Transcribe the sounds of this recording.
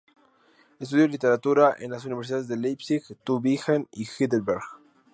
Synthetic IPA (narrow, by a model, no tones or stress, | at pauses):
es̬t̪uðjolit̪eɾat̪uɾaʔḛnlasuniβeɾs̬iðaðezðelejpsixt̪uβixanixid̪elbeɾɣ